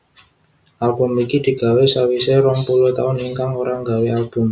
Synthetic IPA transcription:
ʔalb̥ṳmikid̪̥i̤ɡ̥a̤wesawiseɾɔŋpulʊht̪aʊniŋkaŋoɾaŋɡaweʔalb̥ʊ̤m

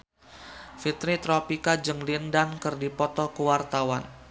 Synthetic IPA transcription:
fit̪ɾit̪ɾɔpikad͡ʒəŋlindankərdipɔt̪ɔkəwart̪awan

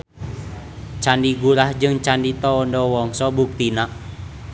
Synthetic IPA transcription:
t͡ʃandiɡuɾahd͡ʒɨŋt͡ʃandit̪ɔːndɔwɔŋsɔbuk̚t̪inaʔ

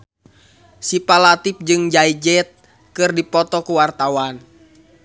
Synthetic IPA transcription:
sipalat̪ip̚d͡ʒɨŋd͡ʒaid͡ʒɛt̪̚ | kɨrdipɔt̪ɔkuwart̪awan

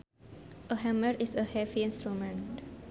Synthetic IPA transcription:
ʔəɦãməɾisəhɛfiĩnst̪ɾumə̃nt

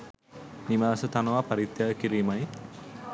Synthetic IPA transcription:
nimaːsət̪anəʋapaɾit̪jakiɾiːmaj

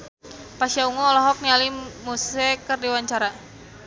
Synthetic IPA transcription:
pasiauŋuɔlɔɦɔk̚nialimusɛkərdiwaɲt͡ʃaɾa

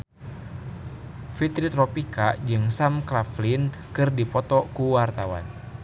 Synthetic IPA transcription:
fit̪ɾit̪ɾɔpikad͡ʒɨŋsamkɾaflinkɨrdipɔt̪ɔkuwart̪awa̰n

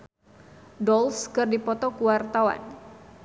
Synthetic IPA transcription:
dɔlskɨrdipɔt̪ɔkuwart̪awa̰n

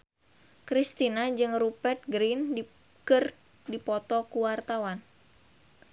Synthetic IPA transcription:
kɾist̪inad͡ʒɨŋrupɛrt̪̚ɡɾin | kɨr | dipɔt̪ɔkuwart̪awan

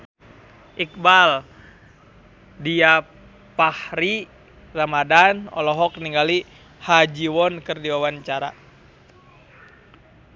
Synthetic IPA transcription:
ʔik̚bal | dia | pahɾi | ramadanɔ̰lɔɦɔk̚niŋɡali | had͡ʒiwɔnkɨrdiwawaɲt͡ʃaɾa̰

